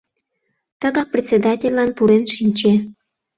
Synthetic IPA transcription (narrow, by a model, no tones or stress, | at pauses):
t̪əɣɑk̚prʲet̪sʲed̪ɑtʲelʲːɑnpuɾenʃinʲt͡ɕe